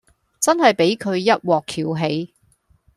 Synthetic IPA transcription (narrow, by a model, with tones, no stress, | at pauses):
t͡sɐ˥nhɐ˨jpe˨˥jkʰɵ˨˧ɥjɐ˥t̚wɔː˨kʰiː˨˩wɦe˨˧j